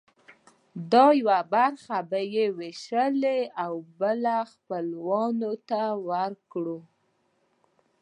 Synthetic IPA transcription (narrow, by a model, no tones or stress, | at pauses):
d̪ɑjawabaɾxabajeweʃəleawbəlaxpəlwɑnot̪awəɾkɽu